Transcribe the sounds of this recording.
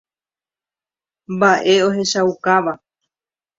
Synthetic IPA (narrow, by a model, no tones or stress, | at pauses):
mbaʔe̞o̞ɦe̞ʃawkaʋa